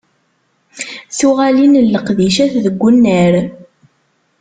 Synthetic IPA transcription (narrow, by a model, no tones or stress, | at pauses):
θuʁælinəlːəqðiʃæθðəɡʷːunːəɾ